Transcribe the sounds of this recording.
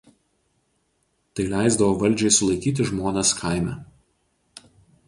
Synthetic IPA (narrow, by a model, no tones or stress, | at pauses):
t̪ɐɪlʲæɪzd̪ɐʋoːʋɐlʲˑd͡ʒʲɛɪsʊlˠɐɪkʲiːt̪̬ʲɪʒmoːnʲɛskʰaˑɪmʲæ